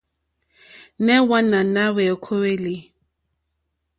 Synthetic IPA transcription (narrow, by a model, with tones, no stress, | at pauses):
nɛ˦wa˦na˨na˦wɛ˨kʰo˦we˦li˨˦